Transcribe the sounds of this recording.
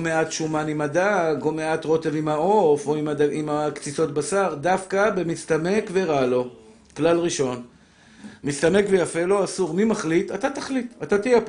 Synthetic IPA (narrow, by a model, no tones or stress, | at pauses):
me̞at̪ʃumanimadaɡomeat̪ʁo̞tevimhao̞foimadaimakt͡siso̞t̪̚basaʁd̪afkabe̞mist̪ame̞kveʁalo̞ | klalʁiʃo̞n | mist̪ame̞kvejafe̞lo̞asuʁmimaχlit̪at̪at̪aχlit̪at̪at̪ijep